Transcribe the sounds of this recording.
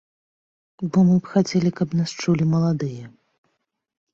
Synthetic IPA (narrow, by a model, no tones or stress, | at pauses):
bɔmɨpxat͡sʲɛlʲikɐpnast͡ʂulʲimɐlˠad̪ɨjɐ